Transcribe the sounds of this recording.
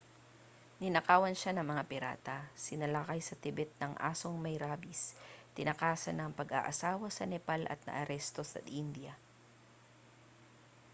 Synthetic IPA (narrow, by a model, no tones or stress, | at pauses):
nɪnɐkaːwɐnʃanɐŋmɐŋapɪɾa̰ːt̪ɐsɪnɐlaːkɐjsɐt̪ɪbɛt̪̚nɐŋʔa̰ːsoŋmɐjɾaːbist̪ɪnɐkaːsɐnɐŋpɐɡa̰ʔɐsaːwɐsɐnɛpalʔɐ̰t̪̚nɐ̰ʔɐɾɛst̪osɐ̰ind̪jɐ